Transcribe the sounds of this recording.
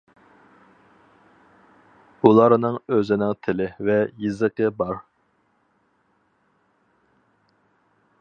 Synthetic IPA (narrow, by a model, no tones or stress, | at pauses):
bulˠɑɾnɨŋøzɪnɪŋt̪ʰɪlɪvɛjɨzəqəbɑɾ